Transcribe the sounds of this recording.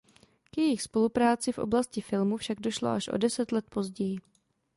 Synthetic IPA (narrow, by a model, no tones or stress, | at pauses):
kjɛjɪxspo̞lupɾaːt͡sɪfʔo̞̰blascɪfɪlmufʃaɡdo̞ʃlo̞̰ʔaʃʔo̞̰dɛsɛt̪lɛt̪̚po̞zɟɛjɪ